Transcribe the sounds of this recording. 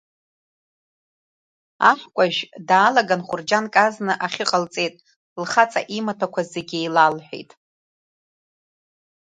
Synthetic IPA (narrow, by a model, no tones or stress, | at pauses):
a̰ħkʷʼaʒᶣdaːlaɡanχʊrd͡ʒankʼaznɨʔaχʲɪqʼəlt͡sʼe̞jtʼ | lχat͡sʼa̰ʔimatʰakʷʰazeɡʲɪejlalħʷᶣḛjtʼ